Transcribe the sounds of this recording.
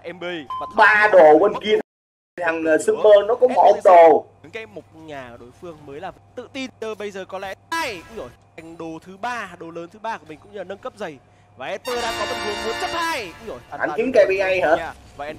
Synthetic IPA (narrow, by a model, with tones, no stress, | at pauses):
ʔɛ˧ɓaː˧ɗo˨˩wə˨˧˩nki˧ən˧˨˩ | t̪ʰa˨˩ŋə˨˩sɨ˧ŋɓəː˧nɔ˨˦kɔ̰˧˥ŋ͡mmɔ˨˧˩ʔə˧ŋ͡mɗo˨˩˨ | ka˨˦mo˨˩t̚ɲaː˨˩ɗo˨˦jfɨ˧əŋməː˨˦jlaː˨˩˨t̪ɨ̰˧˨t̪i˧nɗə˧ɓə˧jzəː˨˩kɔ˨˦lɛ̰˧˥˧jo˧˩˨jŋɗo˨˩t̪ʰɨ˨˦ɓaː˧ɗo˨˩ləː˨˦nt̪ʰɨ˨˦ɓaː˧ku˨˩mï˨˩ŋ̟kʊ̰˧˥ŋ͡məː˨˩nə˧nkə˦˥p̚zə˨˩j | vaː˨˩ʔɛ˧t̪o˧jɗa̰ː˧˥kɔ˨˦tə˧˩ki˨˩ənmɨ˨˦ənzə˦˥t̚aː˧jha̰˨˧˩nt͡ɕï˨˦ŋ̟ka˨˧˩ɓi˧ʔa˧jhaː˨˧˦